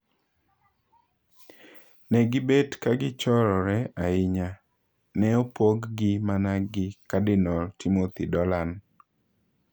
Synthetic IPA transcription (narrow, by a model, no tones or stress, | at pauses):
nɛɡɪbetkaɡɪt͡ʃɔɾɔɾɛaɪɲa | nɛopoɡɡɪmanaɡɪkadɪnɔltimot̪idɔlan